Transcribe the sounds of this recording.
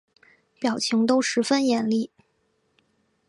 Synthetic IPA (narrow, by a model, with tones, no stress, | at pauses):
pjɑ˨˩ʊt͡ɕʰi˧˥ŋt̪o˥ʊʂɻ̩˧˥fə˥njɛ˧˥nli˥˩